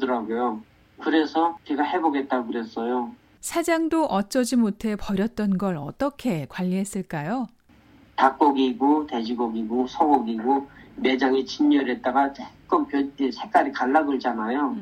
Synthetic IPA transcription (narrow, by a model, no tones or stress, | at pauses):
dɯɾaɡojo | kɯɾe̞sʰʌt͡ɕeɡahe̞boɡe̞t̚t͈aɡokɯɾe̞s͈ʌjo | sʰad͡ʑaŋdoʔʌt͡ɕ͈ʌd͡ʑimotʰe̞pʌɾjʌt̚t͈ʌnɡʌɭʌt͈ʌkʰe̞kwaʎːiɦes͈ɯɭk͈ajo | tak̚k͈oɡiɡote̞d͡ʑiɡoɡiɡosʰʌɡoɡiɡome̞d͡ʑaŋit͡ɕiɲːʌɾet̚t͈aɡat͡ɕʰek͈ɯmpjʌtesʰek͈aɾikaɭːaɡɯɭd͡ʑanajo